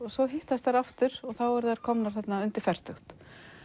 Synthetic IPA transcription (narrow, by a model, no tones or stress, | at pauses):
ɔsɔɦɪht̪ast̪aɾaft̪ʏɾɔɣθawɛɾðɛaɾ̥kʰɔmnaɾ̥θɛt̪naʏnt̪ɪɾ̥fɛr̥t̪ʏxt̪